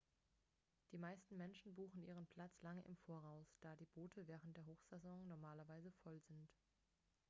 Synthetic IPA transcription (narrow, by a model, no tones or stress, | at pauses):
d̥iːmaɪstn̩mɛnʃn̩buːxn̩ʔḭːʁ̞ənpʰl̥at͡slaŋəʔɪ̰mfoːɐʁaʊsd̥aːdiːboːtʰəvɛːʁ̞əntd̥eːɐɦoːxz̥ɛzɔŋnɔɐmaːlɐvaɪzəfɔlzɪnt